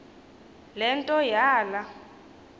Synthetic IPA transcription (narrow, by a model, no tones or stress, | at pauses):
lɛntʼɔjaːla